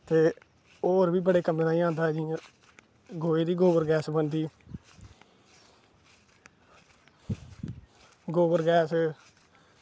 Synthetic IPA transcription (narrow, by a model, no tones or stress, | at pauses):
t̪eː | oːɾbiːbəɽeːkəmnaːĩːãːnd̪aːɦɛːd͡ʒɪã | ɡoːeːd̪iːɡoːbəɾɡɛːsbənd̪iː | ɡoːbəɾɡɛːs